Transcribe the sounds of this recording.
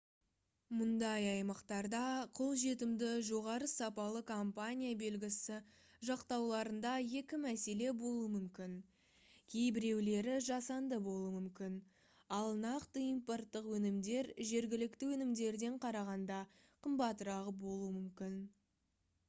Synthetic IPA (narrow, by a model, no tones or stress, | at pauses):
mʊnd̪ɑjɑjmɑqt̪ɑɾd̪ɑqʰo̞lˠʒe̞t̪ɪmd̪ɪʒo̞ʁɑɾəsɑpɑlˠəkʰompanʲijabe̞lɡʲɪsɪ | ʒɑqt̪ɑwlˠɑɾənd̪ɑje̞kʲɪmæse̞le̞bo̞lˠuəmʏmkʲɪn | kʲʰe̞jbɪɾe̞wle̞ɾɪʒɑsɑnd̪əbo̞lˠəmʏmkʲɪn | ɑlˠnɑqt̪əimpo̞rt̪ːəqwɵnɪmd̪e̞ɾʒe̞ɾɡʲɪlɪkt̪ɪwɵnɪmd̪e̞ɾd̪e̞ɴqʰɑɾɑʁɑnd̪ɑ | qʰəmbɑt̪ɾɑʁəbo̞lˠuəmʏmkʲɪn